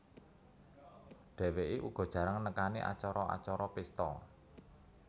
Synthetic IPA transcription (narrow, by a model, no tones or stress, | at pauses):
ɖ̥ɛ̤weʔiʔuɡ̥ɔ̤d̥ʒ̥ä̤ɾaŋnəkaniʔa̰t͡ʃɔɾɔa̰t͡ʃɔɾɔpist̪ɔ̰